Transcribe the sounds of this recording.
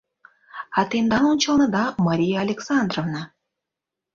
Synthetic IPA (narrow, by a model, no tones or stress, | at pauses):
at̪end̪ɑnunt͡ʃəlˠnəd̪ɑmaɾʲijaːlʲeksand̪rovnɑ